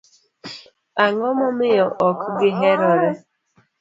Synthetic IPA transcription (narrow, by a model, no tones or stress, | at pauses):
aŋɔmɔmɪjɔʔɔkɡɪɦeɾɔɾe